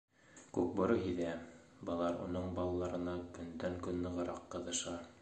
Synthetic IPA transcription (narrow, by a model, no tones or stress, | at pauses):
kʉk̚bŏɾoɦiðæ | bɑ̆lˠɑɾŏ̰noɴbɑlˠɑlˠɑɾɤ̆nɑkɵ̆nd̪æŋkɵnːɤ̆ʁɤ̆ɾɑqːɤ̆ðɤ̆ʃɑ